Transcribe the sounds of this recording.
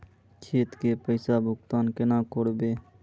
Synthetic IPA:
kʰeːt̪keːpəɪsaːbʱʊkt̪aːnkenãːkoːɽbeː

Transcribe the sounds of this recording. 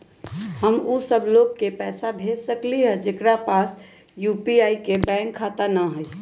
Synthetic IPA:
həmusəbʱlokkːepɛːsabʱesəkliɦɛd͡ʒekɾapas | jupiaikebɛ̃ŋkʰːat̪ənəɦəj

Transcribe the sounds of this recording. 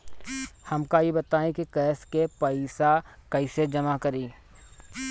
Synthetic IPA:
hɐmkajebɐt̪aːẽkikɛːskepɐɪsakɐɪsed͡ʒɐmakɐɾiː

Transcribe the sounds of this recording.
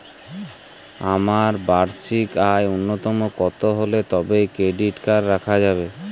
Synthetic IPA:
amaɾbaɾsikajonːot̪ɔmokɔt̪oɦolet̪ɔbejkɾeɖiʈkaɾːakʰad͡ʑabe

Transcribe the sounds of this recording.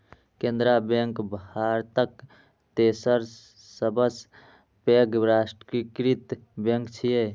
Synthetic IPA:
kend̪ɾabeŋkbhaɾt̪ək | t̪esəɾ | səbəs | peɡɾasʈkikɾit̪beŋkt͡ʃʰije

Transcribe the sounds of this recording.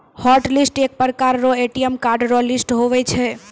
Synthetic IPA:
hɔʈlisʈek̚pəɾkaɾɾoeʈiemkaɾɖɾolisʈɦoʋɛt͡ʃʰe

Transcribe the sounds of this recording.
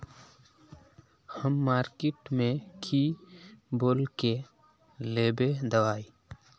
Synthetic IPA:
həmːaːɾkeʈmẽkʰi | boːlke | leːbed̪ɐwaːiː

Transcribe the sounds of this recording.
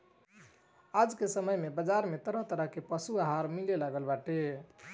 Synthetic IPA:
ad͡ʒkesəməjmebəd͡ʒaɾmet̪əɾəɦt̪əɾəɦkepəsuaɦaɾmilelaɡəlbaʈe

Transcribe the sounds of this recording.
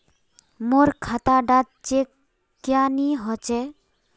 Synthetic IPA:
moɾkʰat̪aɖat̪̚t͡ʃe | kjaniɦɔt͡ɕe

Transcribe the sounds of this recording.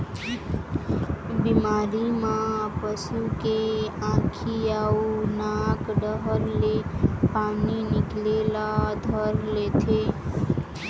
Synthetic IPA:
bimaɾimãpəsukeãkʰiaunakɖəɦəɾlepaniniklelad̪ʱəɾlet̪ʰe

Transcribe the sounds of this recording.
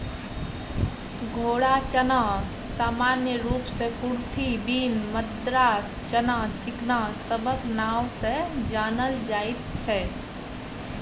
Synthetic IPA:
ɡʱoːɽat͡ʃəna | saːmanjəɾupsẽkuɾt̪ʰibiːnməd̪ɾaːs | t͡ʃənat͡ʃɪknasəbʱəknawsẽd͡ʒaːnəld͡ʒajt̪t͡ʃʰɛ

